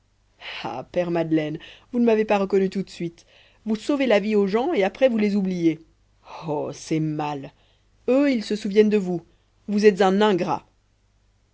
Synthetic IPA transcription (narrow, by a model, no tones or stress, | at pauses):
a̰pɛʁmad̪lɛnvunəmavepaʁəkɔnyt̪ut̪sɥit̪ | vusovelavioʒɑ̃eapχɛvulezublije | ɔsɛmal | øilsəsuvjɛnd̪əvu | vuzɛt̪zɛ̃nɛ̃ɡʁa̰